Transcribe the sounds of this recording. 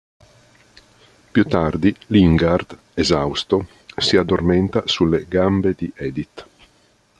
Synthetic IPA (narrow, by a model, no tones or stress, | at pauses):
pjut̪ːard̪iliŋɡart̪ | ezawst̪o | siad̪ːorment̪asulːeɡambed̪iʔɛd̪it̪